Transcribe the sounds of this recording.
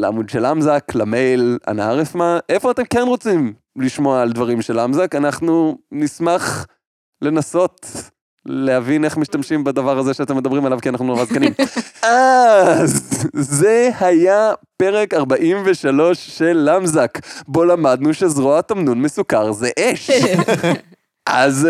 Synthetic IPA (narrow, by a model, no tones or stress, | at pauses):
lea̰mud̪ʃelʔamzaklame̞jla̰naaʁefmaʔe̞fo̞at̪e̞mke̞nʁo̞t͡sim | liʃmoaːld̪vaʁimʃe̞lamzakanaχnunismaχ | le̞naso̞t | le̞havine̞χmiʃtamʃimbad̪avaʁazeʃeat̪e̞med̪ɐbʁimalavkianaχnunavazkanima | zze̞hajape̞ʁekaʁbaʔimveʃalo̞ʃːe̞lːamzakbo̞lamad̪nuʃezʁoat̪amnunmesukaʁzeʔeʃ | ʔaz